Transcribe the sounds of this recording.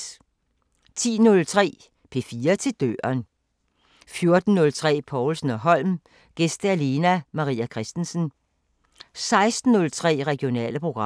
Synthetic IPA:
t͡sʰḭːnɔ̽lt͡sʰʁɛ̰ː | pʰe̝ːfiːɐt͡sʰe̝d̥ø̰ːɐn | fjo̝ɐd̥n̩ːɔ̽lt͡sʰʁɛ̰ːpʰɒʊlsn̩ɒ̽ɦɒ̽l̰m | ɡ̥esd̥əæle̝næmɑ̈ʁḭːækʰʁɛsd̥n̩sn̩ | sɑ̈ɪsd̥n̩ːɔ̽lt͡sʰʁɛ̰ːʁɛɡ̥io̝nɛ̰ːləpʰʁo̝ɡ̥ʁɑ

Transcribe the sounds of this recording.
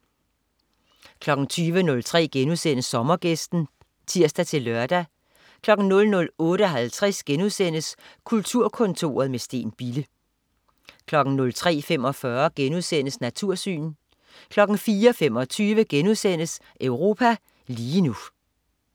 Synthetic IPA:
kʰlɒ̽ɡ̥ŋ̩t͡sʰyːʋənɔ̽lt͡sʰʁɛ̰ːɡ̥enuðˠsen̰əsːɒ̽mɐɡ̥esd̥n̩ | t͡sʰiɐ̰sd̥æt͡sʰe̝lːɶɐd̥æ | kʰlɒ̽ɡ̥n̩nɔ̽lnɔ̽lɔ̽ːɾəɦælt͡sʰʁasɡ̥enuðˠsen̰əskʰult͡sʰuɐ̰kʰɔ̽nt͡sʰo̝̰ːɐð̞̩ˠmesd̥e̝̰ːnb̥ilə | kʰlɒ̽ɡ̥n̩nɔ̽lt͡sʰʁɛ̰ːfem̰ɒ̽fɶɐɡ̥enuðˠsen̰əsnæt͡sʰuɐ̰sy̰ːn | kʰlɒ̽ɡ̥n̩fiːɐɒfem̰ɒ̽t͡sʰyːʋəɡ̥enuðˠsen̰əs | ʔøʊʁo̝ːpʰæ | liːnu

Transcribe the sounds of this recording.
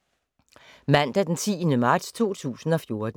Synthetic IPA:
mæn̰d̥æd̥ent͡sʰḭːənəmɑ̈ːd̥st͡sʰo̝̰ːt͡sʰṵːsn̩ɒ̽fjo̝ɐd̥

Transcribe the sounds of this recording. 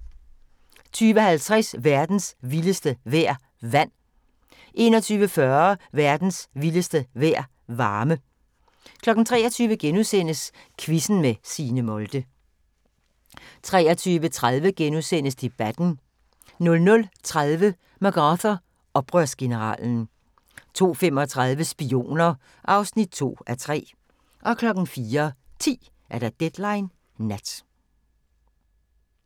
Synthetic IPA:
t͡sʰyːʋəhælt͡sʰʁɛsʋæɐd̥n̩sʋiləsd̥əʋæɐ̰ | ʋæn̰ | ʔe̝ːnɒ̽t͡sʰyːʋəfɶɐɐʋæɐd̥n̩sʋiləsd̥əʋæɐ̰ | ʋɑ̈ːmə | kʰlɒ̽ɡ̥n̩t͡sʰʁɛ̰ːɒt͡sʰyːʋəɡ̥enuðˠsen̰əs | kʰʋisn̩mesiːnəmɔ̽ld̥ə | t͡sʰʁɛːɒt͡sʰyːʋət͡sʰʁað̞ˠʋəɡ̥enuðˠsen̰əsd̥e̝b̥æd̥n̩ | nɔ̽lnɔ̽lt͡sʰʁaðˠʋə | mɑɡ̥ɑθɐ | ɒ̽b̥ʁœɐ̰sɡ̥e̝nəʁɑ̰̈ːln̩ | t͡sʰo̝̰ːfemɒ̽t͡sʰʁɑðˠʋəsb̥io̝̰ːnɐ | ʔɑ̈ʊsnid̥̚t͡sʰo̝̰ːæt͡sʰʁɛ̰ː | ʔɒ̽kʰlɒ̽ɡ̥n̩fiːɐt͡sʰḭː | ʔæɐɾ̥æɑd̥ed̥lɑ̈ɪnː | æd̥

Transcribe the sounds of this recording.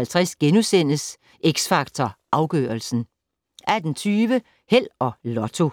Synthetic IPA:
ælt͡sʰʁasɡ̥enusen̰əs | ʔeɡ̥sfɑ̈ɡ̥̚t͡sʰɒʔɑ̈ʊɡ̥ø̰ːɐl̩sn̩ | ʔæd̥n̩t͡sʰyːʋə | hel̰ɒ̽lɒt͡sʰo̝

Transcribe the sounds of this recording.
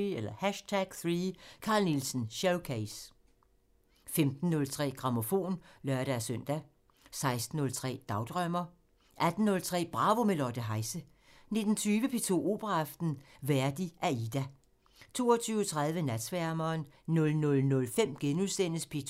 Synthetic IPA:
elɐhæʃt͡sʰæɡ̥θʁiːkʰɑ̈ːlnilsən̩ɕæʊkʰeɪs | femd̥n̩ːɔ̽lt͡sʰʁɛ̰ːɡ̥ʁɑ̈mo̝fo̝̰ːnlɶɐɾ̥æsœn̰d̥æ | sɑ̈ɪsd̥n̩ːɔ̽lt͡sʰʁɛ̰ːd̥ɑ̈ʊd̥ʁœm̰ɐ | ʔæd̥n̩ːɔ̽lt͡sʰʁɛ̰ːb̥ʁɑ̈ːʋo̝melɒd̥əɦɑ̈ɪsə | ne̝d̥n̩t͡sʰyːʋəpʰe̝t͡sʰo̝̰ːo̝ːb̥ʁɑːfd̥n̩ʋæɐd̥iʔæid̥æ | t͡sʰo̝̰ːɐt͡sʰyːʊt͡sʰʁɑ̈ð̞ˠʋənæd̥sʋæɐmɐːnnɔ̽lnɔ̽lnɔ̽lfem̰ɡ̥enuðˠsen̰əspʰe̝t͡sʰ

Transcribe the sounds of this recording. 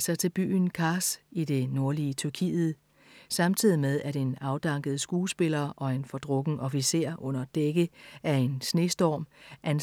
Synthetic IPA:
sɑ̈ɪt͡sʰe̝lb̥y̰ːn̩kʰɑ̈sid̥e̝no̝ɐliət͡sʰyɐkʰḭːð̩ˠ | sɑ̈mt͡sʰið̰ˠimeð̞ˠæɾe̝nɑ̈ʊd̥ɑ̈ŋɡ̥əð̞̩ˠsɡ̥uːsb̥e̝lɐːʔɒ̽e̝nfɒ̽d̥ʁɔ̽ɡ̥n̩ʔɒ̽fise̝̰ɐ̰ʔɔ̽n̰ɐd̥eɡ̥əʔæɐe̝nsne̝ːsd̥ɒːmʔæn

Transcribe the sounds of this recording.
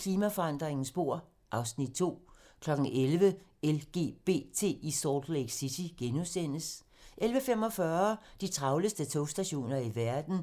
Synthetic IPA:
kʰliːmæfɒ̽ɑ̈n̰d̥ʁeŋn̩sb̥o̝ɐ̰ | ʔɑ̈ʊsnid̥̚t͡sʰo̝̰ːkʰlɒ̽ɡ̥n̩elʋəelɡ̥e̝̰ːb̥e̝̰ːt͡sʰe̝̰ːisɒːd̥leɡ̥sid̥ʰiɡ̥enuðˠsen̰əs | ʔelʋəfem̰ɒ̽fɶɐd̥it͡sʰʁɑ̈ʊləsd̥ət͡sʰoʊsd̥æɕo̝̰ːnɐiʋæɐd̥n̩

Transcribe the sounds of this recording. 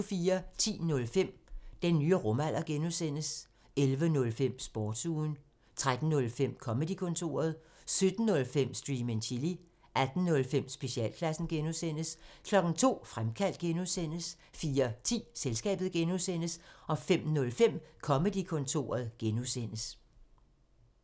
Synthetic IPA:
fiːɐt͡sʰḭːnɔ̽lfem̰d̥enːyːəʁɔ̽mæl̰ʔɐɡ̥enusen̰əs | elʋənɔ̽lfem̰sb̥ɒːd̥suːn | t͡sʰʁad̥n̩ːɔ̽lfem̰kʰɒ̽məd̥ikʰɔ̽nt͡sʰo̝̰ːɐð̞̩ˠ | sød̥n̩ːɔ̽lfem̰sd̥ʁiːment͡ɕʰili | ʔæd̥n̩nːɔ̽lfem̰sb̥e̝ɕiɛ̰ːlkʰlæsn̩ɡ̥enusen̰əskʰlɒ̽ɡ̥n̩t͡sʰo̝̰ːfʁamkʰæl̰d̥̚ɡ̥enuðˠsen̰əs | fiːɐt͡sʰḭːselsɡ̥ɛ̰ːb̥ð̩ˠɡ̥enuðˠsen̰əsɒ̽fem̰nɔ̽lfem̰kʰɒ̽məd̥ikʰɔ̽nt͡sʰo̝̰ːɐð̞ˠɡ̥enusen̰əs

